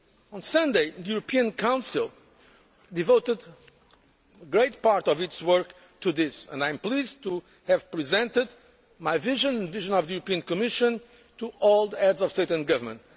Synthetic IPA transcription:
ɔ̃nsʌ̃nd̪eɪðɨjuɾəpʰiɨ̃nkʰãw̃nsilˠ | d̪ivoʊt̪ɨd̪ | ɡɹeɪt̪̚paɾt̪ɔvɪtswɜ˞k | t̪ʰuðɪsə̰̃ndãj̃mplˠizt̪u | hɨv̥pɹizɛ̃nt̪ɪd̪ | majviʒɨ̃ñnviʒɨ̃nɔvðəjuɾəpiɨ̃nkɔmɪʃɨ̃n | t̪uɔlˠd̪ɛdzɔv̥st̪eɪtɨ̃nɡʌvəmə̃nt̪

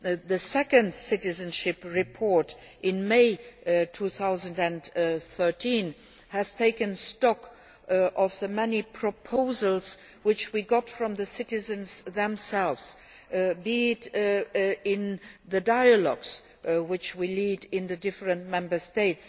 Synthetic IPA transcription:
ðɨsɛkɨ̃ndsɪɾɨzɨ̃nʃɪpɹɪpʰɔɹt | ʔɪ̃nmeɪtʰuθaʊzə̃ndɨ̃nθɜ˞tʰĩn | hɨz̥tʰeɪkɨ̃nstɑk | ʔʌvðəmɛnipʰɹ̥əpʰoʊzəl̩ˠz | wɪt͡ʃwiɡɑtfɹʌ̃mðɨsɪɾɨzɨ̃nzðɛ̃msɛlˠvz̥ | bit | ɪ̃nðɨdaɪəlɔɡz̥ | wɪt͡ʃwilidɪ̃nðɨdɪfɹɨ̃ntmɛ̃mbə˞steɪts

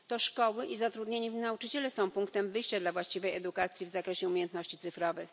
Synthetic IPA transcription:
t̪ɔʂkɔwɘʔizat̪ɾud̪ɲeɲivnaut͡ʂɘt͡ɕɛlɛsɔ̃w̃puŋkt̪ɛmvɘjɕt͡ɕad̪lavwaɕt͡ɕivɛjɛd̪ukat̪sʲjivzakɾɛɕɛumʲejɛnt̪nɔɕt͡ɕit̪sɘfɾɔvɘx

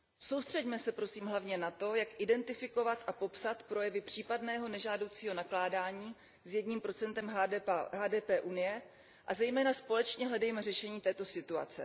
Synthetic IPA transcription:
so̞wst̪r̝̥ɛɟmɛsɛpɾo̞siːmɦlavɲɛnat̪o̞jakʔɪdɛnt̪ɪfɪko̞vat̪ʔapo̞psat̪pɾo̞jɛvɪpr̝̥iːpadnɛːɦo̞nɛʒaːdo̞wt͡siːɦo̞naklaːdaːɲiː | zjɛdɲiːmpɾo̞t͡sɛnt̪ɛmɦaːdɛːpɛːʔunɪjɛ | ʔazɛjmɛːnaspo̞lɛt͡ʃɲɛɦlɛdɛjmɛrɛʃɛɲiːt̪ɛːt̪o̞sɪt̪ua̰t͡sɛ̰

